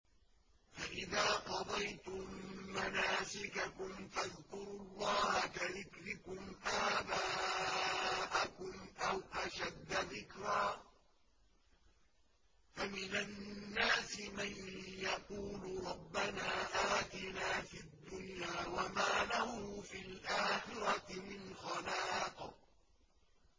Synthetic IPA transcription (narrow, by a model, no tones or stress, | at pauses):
faʔɪðaːqɑd̪ˤɑjt̪ʊmːanaːsɪkakʊmfaðkʊɾʊlˤːɑːhakaðɪkɾɪkʊmʔaːbaː | ʔakʊmʔawʔaʃad̪ːaðɪkɾaː | famɪnanːaːsɪmanjɑquːlʊɾˤɑbːanaːʔaːt̪ɪnaːfid̪ːʊnjaːwamaːlahʊfilʔaːxɪɾɑt̪ɪmɪnxɑlaːt̪